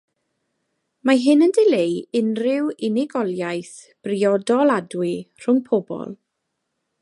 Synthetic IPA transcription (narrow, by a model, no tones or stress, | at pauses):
maɦɪnəndɪlejɪnrɪwɪnɪɡɔlˠjajθ | b̥riɔdɔlˠadwɪr̥ʊŋpʰɔbɔ̰lˠ